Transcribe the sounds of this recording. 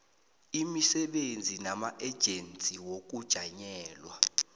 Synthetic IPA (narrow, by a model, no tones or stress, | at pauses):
imisɛɓend͡zʱinamaʔɛd̥ʒ̥ʱent͡sʼiwok̬ud̥ʒ̥ʱaɲɛːlwa